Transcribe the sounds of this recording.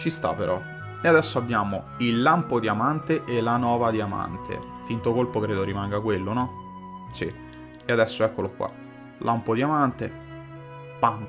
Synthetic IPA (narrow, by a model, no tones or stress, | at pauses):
t͡ʃist̪a̰pːeɾʔɔ | ead̪ɛsːoabːjaːmo | ilːampod̪iamant̪eʔelanɔːvad̪iama̰nt̪ʰḛ | fint̪okolpokɾeːd̪oɾimaŋɡakwelːonɔ | sḭ | ead̪ɛsːoɛkːolokwa̰ | lʔampod̪iamant̪e | pan